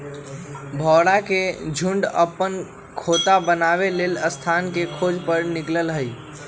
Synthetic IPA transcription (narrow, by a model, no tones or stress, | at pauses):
bʱɔɽaked͡ʒʱuɳɖə̰pːən | kʰot̪abənabeleləst̪ʰankekʰod͡ʒʱpəɾnikləlɦəj